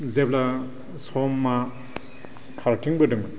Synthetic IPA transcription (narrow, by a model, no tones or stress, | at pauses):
zepla | sɔmːa | kʰaɾtiŋbɯdɯŋbɯ